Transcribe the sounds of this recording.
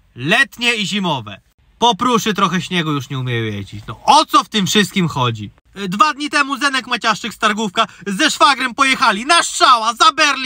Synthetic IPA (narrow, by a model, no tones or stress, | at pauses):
lɛt̪ɲɛiʑimɔvɛ̰ | pɔpɾuʂɘt̪ɾɔxɛɕɲɛɡɔjuʂɲɛumʲjɛjɛ̰d͡ʑit͡ɕnɔʔɔt̪sɔft̪ɘmfʂɘst̪̚kʲimxɔd͡ʑi | d̪vad̪ɲit̪ɛmuzɛnɛkmat͡ɕaʂɘkst̪aɾɡufkazɛʂfaɡɾɛmpɔjɛxalʲinaʂt͡ʂawazabɛɾlʲ